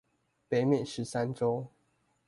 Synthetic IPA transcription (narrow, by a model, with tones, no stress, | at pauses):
pe˨˧˦ɪmjɛ˥˨nʂɻ̩˨˦sa˦nʈ͡ʂo˦ʊ